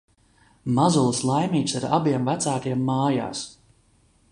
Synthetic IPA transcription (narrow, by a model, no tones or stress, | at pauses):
mazulˠɨslˠajmiːt̪saɾabiɛmvæt̪saːk̪iɛmːaːja̰ːs